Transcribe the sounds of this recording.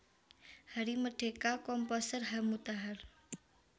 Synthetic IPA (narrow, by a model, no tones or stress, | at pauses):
həɾiməɖʱekakɔmpɔsəɾɦəmut̪aɦəɾ